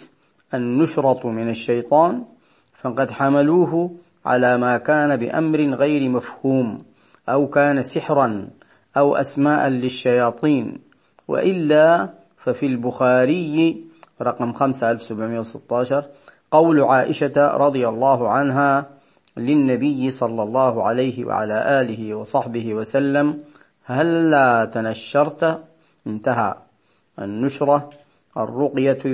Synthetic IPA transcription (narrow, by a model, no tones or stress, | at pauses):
ʔanːʊʃɾˤɑt̪ˤmɪnaʃːajt̪ˤɑːn | faqɑd̪ħamaluːɦ | ʕa̰laːmaːkaːnabɪʔa̰mɾɪɣajɾmafhuːm | ʔawkaːnasɪħɾan | ʔawʔa̰smaːʔanlɪʃːajɑːt̪ˤiːn | wʔɪ̰ʔɪlːa | fafilbʊxaːɾɪjːɾˤɑqɑmxamsaʔalfsabʕmɪjːawsɪt̪ːɑːʃɑɾˤqɑwlʕaːʔɪʃaɾˤɑd̪ˤɨjɑlˤːɑːɦʕanɦa | lɪnːabɪjːsˤɑlːɑlˤːɑːhʊʕalajhɪwa̰ʕa̰laːʔaːlɪɦɪwɑsˤɑħbɪɦɪwasalːam | halːaːt̪anaʃːɑɾˤt̪ | ʔɪnt̪aɦa | ʔnːʊʃɾˤɑ | ʔɑ̰rːʊqja